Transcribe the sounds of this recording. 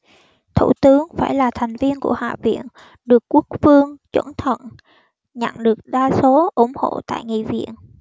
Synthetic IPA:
t̪ʰṵ˧˩t̪ɨ˨˦əŋfaː˧˩jlaː˨˩t̪ʰɛ˨˩jŋ̟vi˧ənku˧˩əha̰ː˧˨vḭ˧˨ən | ɗɨ˨˩əkːu˦˥ək̚fɨ˧əŋt͡ɕwə˧˩nt̪ʰə̰˧˨n | ɲa̰˧˨nɗɨ˨˩ək̚ɗaː˧so˨˦ʔu˧˩ŋ͡mho̰˧˨t̪a̰ː˧˨jŋḭ˧˨vḭ˧˨ən

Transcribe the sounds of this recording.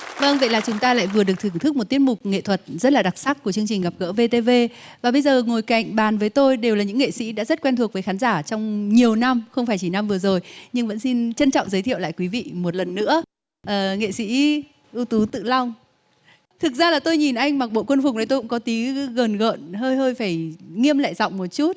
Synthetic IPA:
və˧ŋvə̰˧˨jlaː˨˩t͡ɕʊ˨˦ŋ͡mt̪aː˧la̰ː˧˨jvɨ˨˩əɗɨ˨˩ək̚t̪ʰɨ˧˩əŋt̪ɨ˦˥k̚mo˨˩t̚t̪i˦ət̚mʊ˨˩k͡p̚ŋḛ˧˨t̪ʰwə˨˩t̚zə˦˥t̚laː˨˩ɗa˨˩k̚saː˦˥k̚ku˧˩ət͡ɕɨ˧ŋt͡ɕi˨˩ŋ̟ɣa˨˩p̚ɣə̰ː˧˥ve˧t̪e˧ve˧vaː˨˩ɓə˧jzəː˨˩ŋo˨˩jka̰˧˨jŋ̟ɓaː˨˩nvəː˨˦jt̪o˧jɗe˨˩wlaː˨˩ɲɨ̰˧˥ŋḛ˧˨sḭ˧˥ɗa̰ː˧˥zə˦˥t̚kwɛ˧nt̪ʰu˨˩ək̚və˨˦xaː˨˦nzaː˧˩t͡ɕɔ˧wŋ͡mɲi˨˩əwna˧mxə˧wŋ͡mfaː˧˩jt͡ɕi˧˩na˧mvɨ˨˩əzo˨˩jɲɨ˧ŋvə̰˧˥nsi˧nt͡ɕə˧nt͡ɕɔ̰˧˨ŋ͡mzəː˨˦jt̪ʰi˧˨wla̰ː˧˨jkwi˨˦vḭ˧˨mo˨˩t̚lə˨˩nːɨ̰˧˥ə | ʔəː˨˩ŋḛ˧˨sḭ˧˥ | ʔu˧t̪u˨˦t̪ɨ̰˧˨la˧wŋ͡m | t̪ʰɨ˨˩k̚zaː˧laː˨˩t̪o˧jɲi˨˩nʔa˧jŋ̟maː˨˩k̚ɓo̰˧˨kwə˧nfʊ˨˩k͡p̚na˨˦j̪o˧jkʊ̰˧˥kɔ˨˦t̪i˨˦ɣəː˨˩nɣə̰˧˨nɦəː˧jɦəː˧jfaː˧˩jŋi˧əmla̰ː˧˨jzɔ̰˧˨wŋ͡mmo˨˩t̚t͡ɕu˦˥t̚

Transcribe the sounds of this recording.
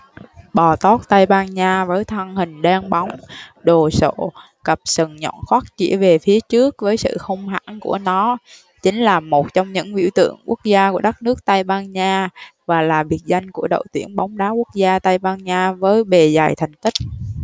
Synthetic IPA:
ɓɔ˨˩t̪ɔ˦˥t̚t̪a˧jɓaː˧nɲaː˧vəː˨˦jt̪ʰə˧ŋhï˨˩ŋ̟ɗaː˧ŋɓa˨˦wŋ͡mɗo˨˩so̰˧˩ | kə˨˩p̚sə˨˩ŋɲɔ̰˧˨nxwaː˦˥t̚t͡ɕḭ˧˩əve˨˩fi˨˦ət͡ɕɨ˦˥ək̚vəː˨˦jsɨ̰˧˨xə˧wŋ͡mɦa̰ː˧˥ŋku˧˩ənɔ˨˦ | t͡ɕï˨˦ŋ̟laː˨˩mo˨˩t̚t͡ɕɔ˧wŋ͡mɲɨ̰˧˥ŋvḭ˧˩wt̪ɨ̰˧˨əŋku˦˥ək̚zaː˧ku˧˩əɗa˦˥k̚nɨ˦˥ək̚t̪a˧jɓaː˧nɲaː˧vaː˨˩laː˨˩vi˨˩ət̚za˧jŋ̟ku˧˩əɗə̰˧˨wt̪ḭ˧˩ənɓa˨˦wŋ͡mɗaː˨˦ku˦˥ək̚zaː˧t̪a˧jɓaː˧nɲaː˧vəː˨˦jɓe˨˩za˨˩jt̪ʰa˨˩ŋ̟t̪ï˦˥k̚

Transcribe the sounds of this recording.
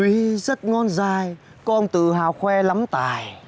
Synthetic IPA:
wi˨˦zə˦˥t̚ŋɔ˧nzaː˧˩j | kɔ˧nt̪ɨ̰˧˨ɦaː˨˩wxwɛ˧la˨˦mt̪aː˧˨˩j

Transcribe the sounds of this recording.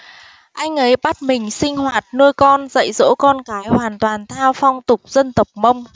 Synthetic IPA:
ʔa˧jŋ̟ʔə˨˦jɓa˦˥t̚mï˨˩ŋ̟sï˧ŋ̟hwaː˨˩t̚nɨ˧əjkɔ˧nzə̰˧˨jzo̰˧˥kɔ˧nkaː˨˦jhwaː˨˩nt̪waː˨˩nt̪ʰaː˧wfa˧wŋ͡mt̪ʊ˨˩k͡p̚z̥ə˧nt̪ə˨˩wk͡p̚mə˧wŋ͡m

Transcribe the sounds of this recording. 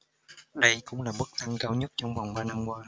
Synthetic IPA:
ɗə˧jkʊ̰˧˥ŋ͡mlaː˨˩mɨ˦˥k̚t̪a˧ŋkaː˧wɲə˦˥t̚t͡ɕɔ˧wŋ͡mva˨˩wŋ͡mɓaː˧na˧mkwaː˧

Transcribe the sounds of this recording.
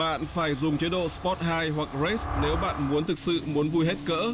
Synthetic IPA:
ɓa̰ː˧˨nfaː˧˩jzʊ˨˩ŋ͡mt͡ɕe˨˦ɗo̰˧˨spɔ˦˥t̚haː˧jɦwa˨˩k̚ze˦˥sne˨˦wɓa̰ː˧˨nmu˨˦ənt̪ʰɨ˨˩k̚sɨ̰˧˨mu˨˦ənvu˧jɦe˦˥t̚kə̰ː˧˥

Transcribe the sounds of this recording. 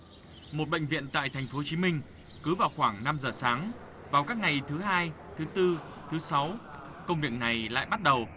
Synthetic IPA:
mo˨˩t̚ɓə̰˧˨jŋ̟vḭ˧˨ənt̪a̰ː˧˨jt̪ʰɛ˨˩jŋ̟fo˨˦t͡ɕi˨˦mï˧ŋ̟ | kɨ˨˦vaː˨˩wxwaː˧˩ŋna˧mzəː˨˩saː˨˦ŋ | vaː˨˩wkaː˦˥k̚ŋa˨˩jt̪ʰɨ˨˦ɦaː˧j | t̪ʰɨ˨˦t̪ɨ˧ | t̪ʰɨ˨˦sa˨˦w | kə˧wŋ͡mvi˨˩ək̚na˨˩jla̰ː˧˨jɓa˦˥t̚ɗə˨˩w

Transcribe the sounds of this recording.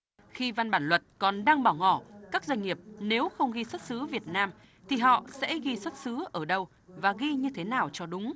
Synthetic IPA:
xi˧va˧nɓaː˧˩nlwə˨˩t̚kɔ˨˩nɗaː˧ŋɓaː˧˩wŋɔ˧˩kaː˦˥k̚zwa˧ŋ̟ŋi˨˩əp̚ne˨˦wxə˧wŋ͡mɣi˧swə˦˥t̚sɨ˨˦vi˨˩ət̚naː˧m | t̪ʰi˨˩ɦɔ̰˧˨sɛ̰˧˥ɣi˧swə˦˥t̚sɨ˨˦ʔəː˧˩ɗə˧w | vaː˨˩ɣi˧ɲɨ˧t̪ʰe˨˦naː˨˩wt͡ɕɔ˧ɗʊ˨˦ŋ͡m

